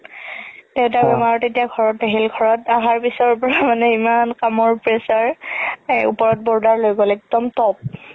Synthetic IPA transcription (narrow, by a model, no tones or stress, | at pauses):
teʊ̃tabɛmaɹɔtetijaɡʱɔɹɔtaɦilɡʱɔɹɔtaɦaɹpisɔɔpɔɹamanɛimankamɔɹpɹesaɹ | ṵpɔɹɔt̚bɔɹdaɹlojɡɔlɛk̚dɔmtɔp̚